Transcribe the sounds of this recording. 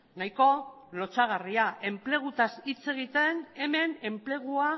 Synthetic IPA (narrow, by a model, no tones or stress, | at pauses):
najko̞ | lo̞t͡saɣ̞ariaʔe̞mple̞ɣ̞ut̪asit͡se̞ɣ̞it̪e̞ne̞me̞ne̞mple̞ɣ̞ua